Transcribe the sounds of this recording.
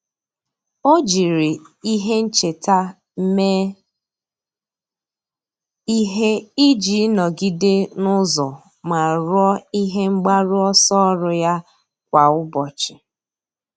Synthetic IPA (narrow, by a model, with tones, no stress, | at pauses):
o˦d͡ʒi˨ɾi˨i˦ɦe˦n̩˦t͡ʃe˨ta˦ | m̩˦me˦ | i˦ɦe˦i˦d͡ʒi˨˦nɔ˨ɡi˦de˦nʊ˦zɔ˨ | ma˨ɾɔ˦i˦ɦe˦ŋ͡m̩˦ɡ͡ba˦ɾʊ˦ɔ˦sɔ˦ɾʊ˨ja˦ | kʷa˨ʊ˦bɔ˨t͡ʃɪ˨